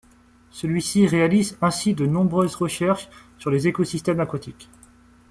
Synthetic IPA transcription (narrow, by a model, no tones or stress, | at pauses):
səlɥisiʁealizɛ̃sid̪ənɔ̃bʁøzʁəʃɛʁʃ | syʁlezekosist̪ɛmakwat̪ʰikʲ